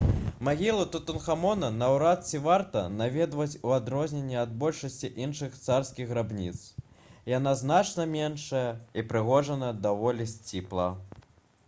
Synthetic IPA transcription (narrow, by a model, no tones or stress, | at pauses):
maɣʲilˠut̪ut̪unxamɔnɐnɐwɾat̪̚t͡sʲivart̪ɐnavʲɛd̪vɐt͡sʲuad̪ɾɔzʲnʲenʲːɛɐd̪̚bɔlʲʂɐsʲt͡sʲiʔinʂɨxt̪sarskʲiɣɣɾabnʲit̪s | jan̪aznat͡ʂnɐmʲɛnʂɐjɐipɾɨɣɔʐɐnɐd̪avɔlʲisʲt͡sʲiplˠɐ̰